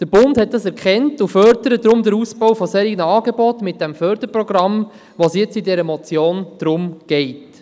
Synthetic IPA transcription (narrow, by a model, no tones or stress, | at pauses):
d̪̥əɾb̥ʊndhɛt̚d̥ɑsɛɾkχɛntufœɾdəɾədɾʊmd̪əɾusbɔwfɔseːɾinəɑːɡebɔtmɪt̚d̥ɛmfœɾd̥̪əɾprɔɡ̥ɾɑm | ʋosjɛt͡sidɛɾəmɔt͡sjoːnd̥ɾʊmɡ̥ɛɪt